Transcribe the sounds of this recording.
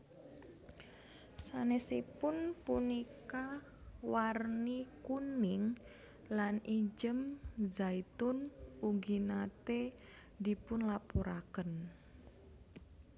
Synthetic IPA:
sanesipʊnpunika | warnikunɪŋ | lanid͡ʒəmzait̪ʊnuɡinat̪e | d̪ipʊnlapoɾakən

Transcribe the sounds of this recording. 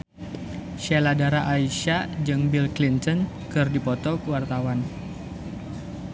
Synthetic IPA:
ʃeladaɾaʔaiʃad͡ʒɨŋbilklint̪ɔn | kɨrdipɔt̪ɔkəwart̪awan

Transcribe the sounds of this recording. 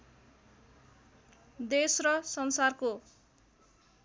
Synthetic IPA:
d̪esrʌsʌnsarko

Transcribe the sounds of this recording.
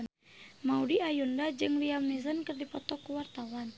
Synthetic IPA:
n | maudiajundad͡ʒɨŋliamnizənkərdipɔt̪ɔkuwart̪awan

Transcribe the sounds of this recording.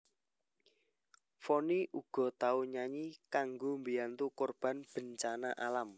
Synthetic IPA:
foniʔuɡ̥ɔ̤t̪auɲaɲikaŋɡombijant̪ukorb̥a̤nb̥ə̤ɲt͡ʃanaʔalam

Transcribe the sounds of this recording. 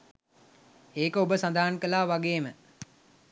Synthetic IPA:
eːkəobəsand̪aɦaŋkəlaːʋaɡeːmə

